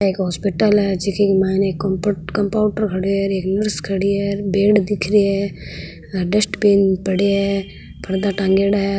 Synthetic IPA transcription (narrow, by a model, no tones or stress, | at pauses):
eːkɦɔːspiʈəlɦɛt͡ʃɪkʰikmaːneːkkɐ̃mpaʊʈəɾkʰɐɽiəɾeːknəɾskʰɐɽiɛɾbeːɽd̪ɪkʰɾiɛ | ɖesʈbeːnpɐɽeɛ | pʰɐɽd̪aʈãŋɡeːɽɦɛ